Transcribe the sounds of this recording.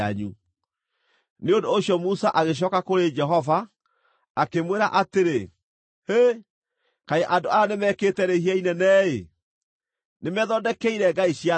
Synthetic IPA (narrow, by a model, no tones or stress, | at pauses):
aɲu | neondoːɕjɔmusaʔaɣeɕ̬ɔːkakoɾed͡ʒɛɦɔvaː | kemweɾaʔateɾe | he | kaeʔandoajanemɛketɛɾehiainɛnɛːḛ | nemɛðɔdɛkɛiɾɛɡaiɕia